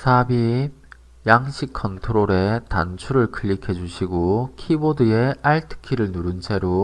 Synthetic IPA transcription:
sʰabi | jaŋɕʰikʰʌntʰoɾoɾe̞ta̰nt͡ɕʰuɾɯɭkʰɯʎːikʰe̞d͡ʑuɕʰiɡokʰibodɯe̞aɭtʰɯ̥kʰiɾɯɭnuɾɯnt͡ɕʰe̞ɾo

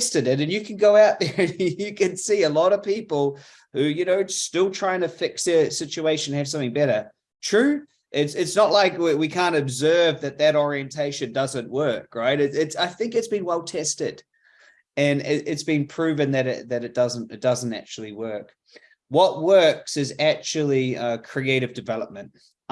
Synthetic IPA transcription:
stɨɾɨɾɨ̃njɨkʰn̩ɡoʊaʊt̪̚ðə˞ɨ̃njɨkʰɨ̃nsiɨlɔɾʌv̥pipl̩ˠ | hʉjɨnoʊstɪlˠtʰɹ̥aɪɪ̃ŋtʰɨfɪksðə˞sɪt͡ʃʉeɪʃɨ̃n̩ɨɨv̥sʌ̃mθɪ̃ŋbɛɾə˞ | tʰɹ̥ʉ | ʔɪtsɪtsnətlaɪkiwikʰæ̃ntɨbzɜ˞vðɨt̪̚ðɨɾɔɹiɨ̃ntʰeɪʃɨ̃ndʌzɨ̃nʔwɜ˞kɹaɪɾɨtɪtsaɪθɪ̃ŋkɨtsb̥ɨ̃nwɛlˠtʰɛstɪd̥ | ɨ̃nɪɾɪtsb̥ɨ̃npʰɹ̥ʉvɨ̃ŋðɨɾɪðɨɾɨt̚d̥ʌzə̃n̩tɨt̚d̥ʌz̃n̩tæ̰k̚t͡ʃul̩ˠiwɜ˞k | wʌt̚wɜ˞ksɨzæk̚t͡ʃʉl̩ˠiʌkʰɹ̥ieɪɾɨvdɨvɛlˠəp̚mɨ̃nt̚

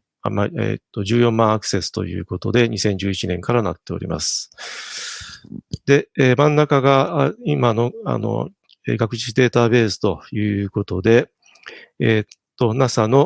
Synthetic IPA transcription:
maḛt̪ːo̞ʑɨːjõ̞mːãɰ̃akɯ̟̥se̞sɨ̥t̪o̞̰jɯ̟̰ːko̞t̪o̞d̪e̞ɲisẽ̞ɲ̟d͡ʑɨːit͡ɕinẽ̞ŋkaɾanat̪ːe̞o̞̰ɾʲḭma̰sɨ̥ | d̪e̞eːmãnːakaɡaimano̞a̰no̰ | ḛːɡakɯ̟ɕi̥ɕid̪e̞ːt̪abe̞ːsɨ̥t̪o̞jɯ̟ːko̞t̪o̞d̪e̞ | t̪ːo̞nasano̞

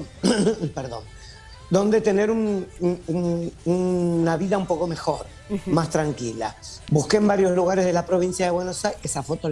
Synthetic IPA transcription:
peɾðõ̰n | d̪o̞nd̪e̞t̪e̞ne̞ɾunununnaβiðaumpo̞ko̞me̞xo̞ɾ | mast̪ɾaŋkila̰buhkembaɾjo̞zluɣaɾe̞zðelapɾo̞β̞insjaðeβwe̞no̞saesafo̞t̪o

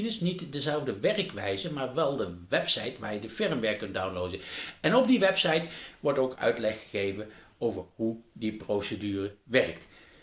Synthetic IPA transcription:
nɪsnitdəzɛlˠvdəʋɛrkʋɛjzəmaːɹʋɛlˠdəʋɛpsɑjtʋa̰ːɹjədəfɪɹmʋɛɹkːɵntdawnlowdəɛnɔbdiʋɛpsɑjtʋɔɹtowkœ̰ɥtlɛχːə̥ɣejvənowvəɹɦudiprowsədyːrəʋɛrkt

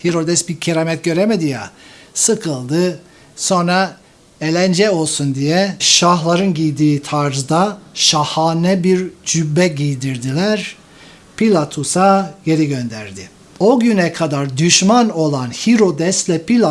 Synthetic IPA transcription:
hiɾo̞d̪ɛsbicʰiɾamɛt̪̚ɟø̞ɾemed̪ija̰sɯkʰɯlˠd̪ɯ | so̞nɾa | elʲænd͡ʒɛo̞lˠsund̪ijɛʃahlˠaɾɯnɟijd̪iːt̪ʰaɾzd̪aʃahaːnɛbiɾd͡ʒybːɛɟijd̪iɾd̪ilʲæɾ | pʰilʲˠat̪ʰusaje̞ɾiɟø̞nd̪æɾd̪ɪ | o̞ɟynɛkʰad̪aɾd̪yʃmano̞lˠanhiɾo̞d̪ɛslʲɛpilʲa

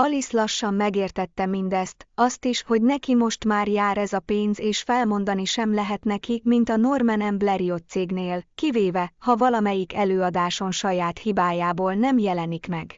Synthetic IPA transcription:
ɒlislɒʃːɒmːɛɡeːrt̪ɛt̪ːɛmind̪ɛst̪ɒst̪iʃho̞ɟnɛkimo̞ʃt̪maːrjaːɾɛzɒpeːnzeːʃfɛlmo̞nd̪ɒniʃɛmlɛɦɛt̪nɛkikmint̪ɒno̞rmɛnɛmblɛɾio̞t̪seːɡneːlkiveːvɛhɒvɒlɒmɛjikɛløːɒd̪aːʃo̞nʃɒjaːt̪hibaːjaːboːlnɛmjɛlɛnikmɛɡ

